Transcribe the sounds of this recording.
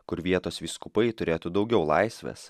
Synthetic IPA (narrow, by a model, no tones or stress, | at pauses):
kʊɾʋʲiɛt̪oːsʋʲiːskʊpɐɪt̪ʊɾʲeːt̪uːd̪ɒʊɡʲɛʊlˠɐɪsʲʋʲḛːs